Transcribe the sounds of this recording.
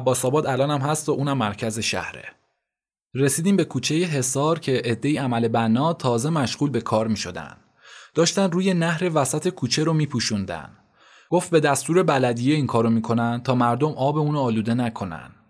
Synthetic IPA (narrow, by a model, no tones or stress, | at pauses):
æbːɒːsɒːbɒːd̪ælɒːnæmhæst̪oʔuːnæmːæɾcʰæze̞ʃæ̰hɾe̞̰ | ɾe̞siːd̪iːmbe̞kʰuːt͡ʃʰe̞jeɦe̞sɒːɾcʰe̞ʔed̪ːe̞jiæmæle̞bænːɒːt̪ʰɒːze̞mæʃɣuːlbe̞kʰɒːɾmiːʃo̞d̪æ̰nd̪̥ | d̥̪ɒːʃt̪ænd̪ruːje̞næhɾe̞væsæt̪ʰe̞kʰuːt͡ʃʰe̞ɾomiːpʰuʃund̪æ̰n | ɡ̥o̞ft̪̚be̞d̪æst̪uːɾe̞bælæd̪ijeiːŋkʰɒːɾomiːkʰo̞nænd̪t̪ʰɒːmæɾd̪o̞mɒːbe̞uːnoːluːd̪e̞nækʰo̞næ̰n̥